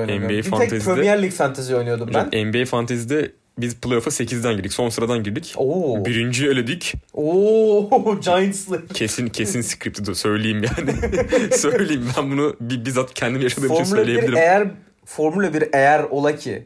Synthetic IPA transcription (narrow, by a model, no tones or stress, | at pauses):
ojnɛmbiejaɛt̪azp̪iɾød̪ɛjæɾlʲicfant̪ʰaziojnyjod̪umaænɛmbiejfant̪ʰazid̪ɛ | bizpʰlˠoɾafase̞cʰizd̪ænɟiɾd̪ickso̞nsɯɾad̪anɟiɾd̪icobiɾind͡ʒyølʲed̪yyco | d͡ʒajɯnslˠɯcʰesincʰe̞sinskɾip̚t̪ʰid̪usø̞jlʲejimjaːnɪsø̞jlʲejimbænbunubibizat̪cʰɛnd̪imijaʃad̪ɯːmt͡ʃinmlʲøjlʲejeiɾlʲiɾmejæɾ | foɾmulʲabiɾejæɾo̞lˠacʰḭ